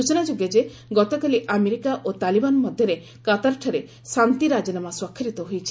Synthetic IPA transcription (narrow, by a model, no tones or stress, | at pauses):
ut͡ʃɔnad͡ʒuɡjad͡ʒe | ɡɔt̪ɔkaliʔameɾikaʔot̪alibanɔmɔd̪ʱjɔɾe | kat̪aɾʈʰaɾe | sant̪iɾad͡ʒɔnamaswakʰːiɾit̪ɔɦujt͡ʃʰi̥